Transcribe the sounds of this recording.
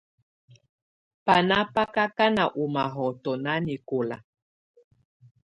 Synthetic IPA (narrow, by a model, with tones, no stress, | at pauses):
pa˨na˦pa˦ka˦ka˦na˨ʔu˨ma˨ɦɔ˨tɔ˨na˦ni˨ko˨la̰˨